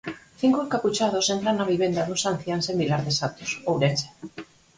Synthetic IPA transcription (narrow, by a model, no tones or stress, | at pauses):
θiŋkokaput͡ʃað̞osent̪ɾanːaβ̞iβend̪aðusanθjansembilaɾðesat̪u̥sowɾese̥